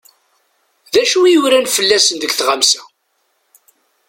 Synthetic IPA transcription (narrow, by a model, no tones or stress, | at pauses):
ðæʃuijuɾænfəlːæsənðəɡθʁamsæ